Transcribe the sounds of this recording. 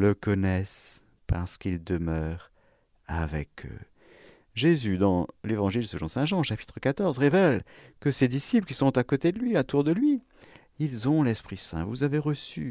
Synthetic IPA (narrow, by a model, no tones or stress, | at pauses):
ləkɔnɛs | pa̰ʁsə̥kild̪əmœːʁ | a̰vɛ̰kʰø̰ | ʒezyd̪ɑ̃levɑ̃ʒilsəlɔ̃sɛ̃ʒɑ̃ʃapi̥t̪χəkat̪ɔʁzʁevɛlkəsed̪isipləkʲisɔ̃t̪akot̪ed̪əlɥiat̪uʁd̪əlɥi | ilzɔ̃lɛspχisɛ̰̃vuzaveʁəsy̰